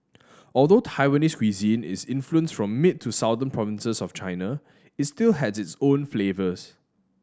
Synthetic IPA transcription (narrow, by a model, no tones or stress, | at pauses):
ɔlˠdotʰaɪwəniskʰwizĩnɪ̰sɪ̃nfluə̃nsfɹɔ̃mːɪt̚ʰːusaʊdə̃npʰɹɔvɪ̃nsəsɔft͡ʃaɪna | ɪtstilɦɛdsɪtsõnflevəs